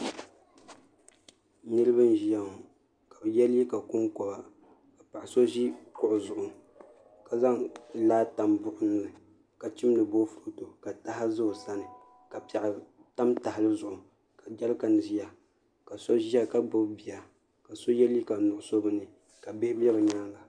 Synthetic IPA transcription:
nɨ˦ɾɨ˦bɨ˦n˦ʒi˦ja˦ŋ˨ | ka˨bɨ˨jɛ˦li˦ka˨kʊ˦ŋkɔ˨ba˨ | ka˨pa˨ʔa˨so˦ʒi˦kʊ˦ʔʊ˨zʊ˨ʔʊ˨ | ka˨za˦ŋlaː˦ta˨mbʊ˦ʔʊ˦nɨ˦ɨ˨ | ka˨t͡ʃi˦mlɨ˨bo˦fʊ˨ɾo˨to˨ka˨ta˦ha˦zɨ˦˨sa˦nɨ˨ | ka˨pa˨ʔta˦mta˨hɪ˨lɨ˦zʊ˨ʔʊ˨ | ka˨d͡ʒɛ˦lka˨n˨zi˦ja˨ | ka˨so˦ʒi˦a˨ka˦bʊ˦bbi˨ja˨ | ka˨so˦jɛ˦li˦ka˨nʊ˨ʔʊ˨so˦bɨ˦nɨ˨ | ka˨be˦bɛ˦bɨ˨ɲaː˦la˨

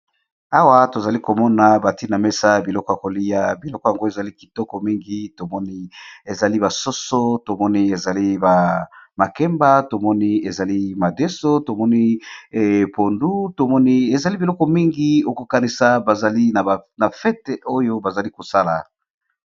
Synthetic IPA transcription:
a˦wa˦to˨za˨li˦ko˨mɔ˦na˨ba˨ti˦na˨me˦sa˦bi˨lɔ˦kɔ˦ja˨ko˨li˦ja˦bi˨lɔ˦kɔ˦ja˨ŋɡo˦e˨za˨li˦ki̥˨tɔ˦kɔ˨mi˦ŋɡi˦to˨mɔ˦ni˦e˨za˨li˦ba˨so˦so˦to˨mɔ˦ni˦e˨za˨li˦ba˨ma˨kɛ˦mba˦to˨mɔ˦ni˦e˨za˨li˦ma˨de˦so˦to˨mɔ˦ni˦˨ | po˨ndu˦to˨mɔ˦ni˦e˨za˨li˦bi˨lɔ˦kɔ˦mi˦ŋɡi˦o˦ko˨ka˨ni˨sa˨ba˨za˨li˦na˨a˨na˨fɛ˦te˨o˦jo˦ba˨za˨li˦ko˨sa˦la̰˨

